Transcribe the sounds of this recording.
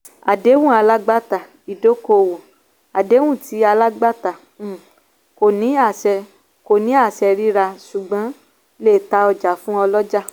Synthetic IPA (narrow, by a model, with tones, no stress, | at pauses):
a˨de˨˦wũ˦˨a˧la˦ɡ͡ba˦ta˨ | i˨do˨˦ko˧wo˨ | a˨de˨˦wũ˦˨ti˨˦a˧la˦ɡ͡ba˦tã˨ | ko˨nĩ˨˦a˦˨sɛ˧ | ko˨nĩ˨˦a˦˨ʃɛ˧ɾi˦ɾa˧ʃu˨ɡ͡bɔ̃˨˦ | le˦˨ta˧ɔ˧d͡ʒa˨fũ˦ɔ˧lɔ˦d͡ʒa˦